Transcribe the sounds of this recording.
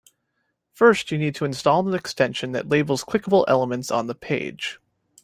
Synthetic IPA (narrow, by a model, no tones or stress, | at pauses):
fɜ˞stɨnid̚tʰɨɨ̃nstɔlˠðə̃nɨkstɛ̃nʃɨ̃nðɨ̰tˡleɪbl̩ˠz̥kʰɪkəbl̩ˠʔɛ̰lˠəmɨ̃ntsn̩ðəpʰeɪd̥ʒ̥